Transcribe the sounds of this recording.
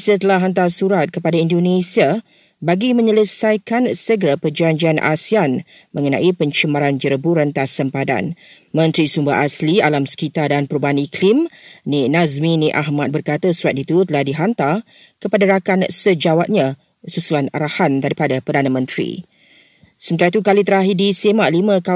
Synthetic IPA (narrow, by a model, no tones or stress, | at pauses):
sət̪əlahɦant̪̬asuɾat̪̚kəpadaindonesia | baɡimə̃ɲələsajkansəɡəɾapərd͡ʒaɲd͡ʒianʔa̰sian | mə̃ŋənã̰ʔipəɲt͡ʃəmaɾand͡ʒəɾəbuɾənt̪asəmpada̰n | mə̃nt̪ɾisumba̰ʔaslialamsə̥kit̪adanpəɾubaaniklimninazmĩniʔaɦmat̪̚bərkat̪asuɾat̪̚it̪ut̪əlahdiɦant̪a | kəpadaɾakansəd͡ʒawat̪̚ɲã | susulana̰ɾahandaɾipadapərdanə̃mə̃nt̪ɾḭ | səmənt̪aɾait̪ukalit̪əɾaɦidisemalimə̃ka